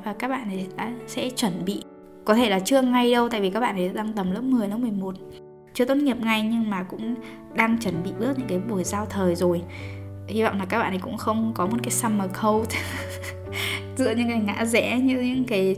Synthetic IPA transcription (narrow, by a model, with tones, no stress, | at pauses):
vaː˨˩kaː˦˥k̚ɓa̰ː˧˨ni˨˩a̰ː˧˥sɛ̰˧˥t͡ɕwə˧˩nɓḭ˧˨ | kɔ˨˦t̪ʰe˧˩laː˨˩t͡ɕɨ˧əŋa˧jɗə˧wt̪a̰ː˧˨jvi˨˩kaː˦˥k̚ɓa̰ː˧˨nʰ˨˩ɗaː˧ŋt̪ə˨˩mlə̰˨˦˥m̚mɨ˨˩əjlə˨˦mɨ˨˩əjmo˨˩t̚ | t͡ɕɨ˧ət̪o˦˥t̚ŋi˨˩əp̚ŋa˨˧˩jɲɨ˧ŋmaː˨˩kʊ̰˧˥ŋ͡m | ɗaː˧ŋt͡ɕə˧˩nɓḭ˧˨ɓɨ˦˥ək̚ɲɨ̰˧˥ŋkaː˨˦jɓu˧˩əjzaː˧wt̪ʰəː˨˩jzo˨˩j | hi˧va̰˧˨wŋ͡mlaː˨˩kaː˦˥kɓa̰ː˧˨˩kʊ̰˧˥ŋ͡mxə˧wŋ͡mkɔ˨˦mo˨˩t̚kaː˨˦jsa˧məː˨˩kʰə˧w | zɨ̰˧˨əɲɨ̰˧˥ŋkaː˨˦jŋa̰ː˧˥zɛ̰˧˥ɲɨ˧ɲɨ̰˧˥ŋkaː˨˦j